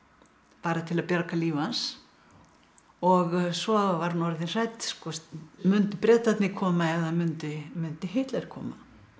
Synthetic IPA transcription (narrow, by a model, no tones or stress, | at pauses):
paːɾat̪ʰɪlaðpjaɾkaliːvans | ɔɣsɔvaɾnɔɾðɪnr̥ajt̪skɔsmʏnt̪ɪpɾɛːt̪at̪nɪkʰɔːmaɛðamʏnt̪ɪmʏnt̪ɪɦejht̪laɾkʰɔ̰ːma̰